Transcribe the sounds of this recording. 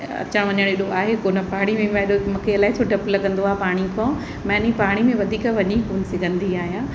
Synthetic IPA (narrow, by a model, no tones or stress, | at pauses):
ɐ̰t͡ɕʰə̃ɽ̃ʋɐɲəɽ̃ɪɗoaːɦekoːnəpaːɽ̃imẽm̃ɗomuːkʰeɐlaːɪt͡ɕʰoɖɐplɐɡə̃nd̪oaːpaːɽ̃ikʰɔ̃ː | mɛ̃ːnĩpaːɽ̃imẽʋɐd̪ʱiːkʋɐɲikuːnsɪɡʱə̃nd̪iaːɦijãː